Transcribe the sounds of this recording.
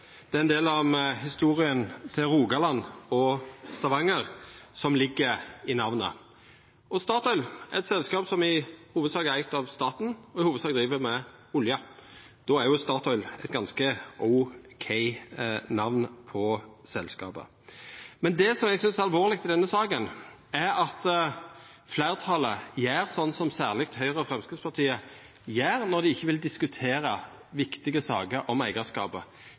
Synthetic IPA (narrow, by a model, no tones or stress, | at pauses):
d̪̥ɛːɛnd̪eːlɑmhɪst̪uːʁɪənt̪ʰɪlɾuːɡɑlɑnɔst̪ɑʋɑŋːəɾsɔmlɪɡːəɾɪnɑʋnə̰ | ɔst̪ɑːt̪ɔʏlɛɛt̪sɛlskɑːpsɔmɪhuːʋəd̪sɑːɡəæɾæɪk̚t̪ɑʋst̪ɑːt̪n̩ɔɪhuːʋəd̪sɑːɡ̚d̪ʁiːʋəmɛʊljɑ | d̪̥ɔːæɾjʊst̪ɑːt̪ʰɔʏlɛ̰t̪̚ɡɑnskəəʊkʰæɪnɑʋnpʰɔsɛlskɑ̰ːbə̰ | mɛnd̪ɛsɔmɛɡsʏnsæɾɑlʋoːʁlɪɡ̚t̪ʰɪd̪ɛnːəsɑːkən | æɾɑt̪ | flæɪʁt̪ʰɑləjæːɾsɔnːsɔmsæːʁlɪk̚t̪hœʏʁəɔfʁɛmskʰɪspʰɑʁt̪ʰiːə | jæːɾnɔɾd̪ɪɪçːəʋɪld̪ɪskʉt̪ʰeːɾə | ʋɪkt̪ɪɡəsɑ̰ːɡəɾʔɔmæɪɡɑskɑ̰ːpə